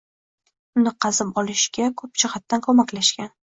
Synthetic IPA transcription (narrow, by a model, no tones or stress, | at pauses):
ʊnɪqʰɑzɪpɒlɪʃɡʲakʰɵp̚t͡ʃʰɪχat̪ːankʰɵmakʲlaʃkʲan